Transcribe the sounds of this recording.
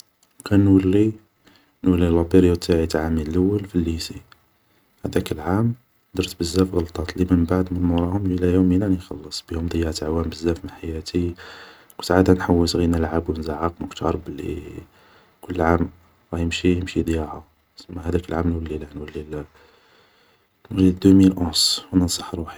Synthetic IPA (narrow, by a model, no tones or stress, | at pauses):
kænnwəlːi | nwəlːilɑb̪iɾjwt̪ʰːaʕit̪ʕaminləwːəlfəlːisi | hæd̪ækəlʕam | d̪ɑɾt̪bəzːæfɣɑlt̪ˤɑt̪ˤliməmbaʕd̪mənmɾˤɑhʊmilæjuminænəxɑlːəsˤb̥ihʊmd̪ˤjːɑʕt̪aʕwæmbəzːæfmənħajæt̪ʰi | kʊnt̪ʕad̪ænħawːəsɣinəlʕabwnzaʕɑq̚mʊkt̪ʰɑɾˤbəlːḭ | kʊlːʕam | ɣɑjəmʃijəmʃid̪ˤjɑʕa | səmːahæd̪ækəlʕamnwəlːilænwəlːil | mʒid̪umilʔoswnənsˤɑ̥ħɾˤuħi̥